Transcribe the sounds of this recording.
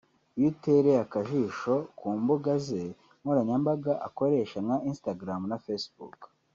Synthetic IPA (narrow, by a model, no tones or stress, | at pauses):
juteɾeakaʒiʃokʰuːmbuɡaze | muɾaɲambaɡaʔa̰koɾeːʃaŋaʔinstaɡɾamnafesbṵk